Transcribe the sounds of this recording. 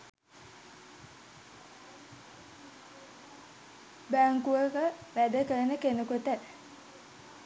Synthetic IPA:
bæŋkuʋəkəʋæd̪əkəənəkenukut̪ə

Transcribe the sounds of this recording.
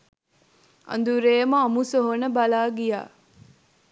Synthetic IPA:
ʔɐ̰nd̪uɾeːmɐɐmusoɦonəbɐlaːɡija̰ː

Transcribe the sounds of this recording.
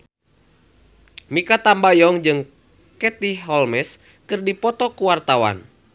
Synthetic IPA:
mikat̪ambajɔŋd͡ʒɨŋ | kɛt̪iɦɔlmɛs | kɨrdipɔt̪ɔkuwart̪awa̰n

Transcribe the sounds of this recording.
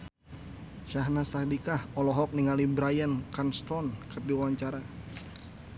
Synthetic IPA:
ʃaɦnasak̚dikahɔlɔɦɔk̚niŋalibɾajankanst̪ɔnkərdiwawaɲt͡ʃaɾa

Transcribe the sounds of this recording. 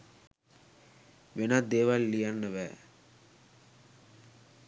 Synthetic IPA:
ʋenɐd̪eːʋalːijanːɐʋæ

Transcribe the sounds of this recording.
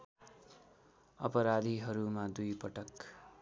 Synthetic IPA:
ʌ̰pʌɾad̪ʱiɦʌɾumad̪ujpʌʈʌk

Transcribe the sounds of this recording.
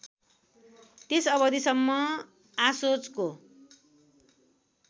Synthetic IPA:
t̪esʌβʌd̪isʌmːʌ | asot͡sko

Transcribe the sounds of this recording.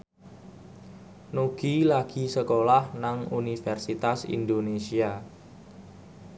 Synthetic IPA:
noɡ̥ilaɡ̥isəkolahnaŋunifɛrsit̪asḭnd̪onesia

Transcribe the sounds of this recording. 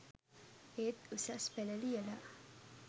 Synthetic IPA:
eːt̪usaspɛləlijəla

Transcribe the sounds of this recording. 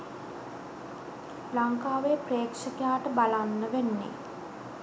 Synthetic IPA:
laŋkaːʋeːpreːkʂəkejaːʈəbalanːəʋenːḛ

